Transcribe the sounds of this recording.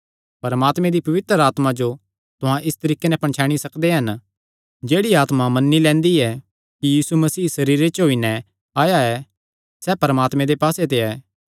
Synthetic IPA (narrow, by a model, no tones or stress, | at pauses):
pɐɾəmaːt̪mẽd̪ipɐʋɪt̪ɾəɾaːt̪mad͡ʒo | t̪ʊɦãʔɪst̪ɐɾiːkenɛpɐ̃ɳt͡ʃʰaːɽ̃isɐkd̪eɦɐn | d͡ʒeːɽiaːt̪mamɐnːilɛ̃ːnd̪iɛ | kijiːsumɐsiːsɐɾiːɾet͡ʃɦoːinɛ | aːjaɛ | sɛːpɐɾəmaːt̪mɛ̃d̪epaːset̪̬eɛː